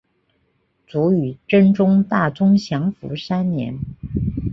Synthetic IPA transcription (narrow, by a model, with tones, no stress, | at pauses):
t͡su˧˥y˨˩ʈ͡ʂə˥nʈ͡ʂʊ˥ŋt̪a˥˩t͡sʊ˥ŋɕjɑ˧˥ŋfṵ˧˥ʂa˥nnjɛ̰˧˥n